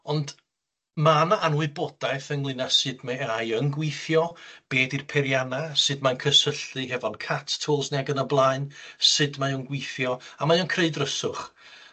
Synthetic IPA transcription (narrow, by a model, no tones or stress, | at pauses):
ɔnd | manaʔanwɨbɔd̥ajθənlˠɨnasɨdmaajənɡwiθjɔb̥eːdirpʰɛɾjanasɨdmankʰəsəɬɨɦɛvɔnkʰatʰtʰoːlˠsniaɡənəblˠaɨnsɨdmajənɡwiθjɔamajɔnkʰreɨdrəsʊχ